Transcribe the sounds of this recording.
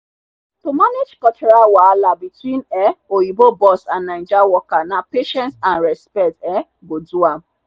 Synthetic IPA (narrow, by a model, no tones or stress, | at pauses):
tomaned͡ʒkɔt͡ʃɛɾawalabitwĩnɛojibobɔsanːãɪ̃d͡ʒawɔkanapeʃɛ̃ntanɹɛspɛtɛ | bodua